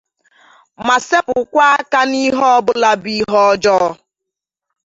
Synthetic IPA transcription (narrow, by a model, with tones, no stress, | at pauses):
ma˨se˦pʊ˨kʷa˦a˦ka˦ni˦ɦɔ˦ɔ˦bʊ˦la˦bi˦ɦɔ˦d͡ʒɔː˦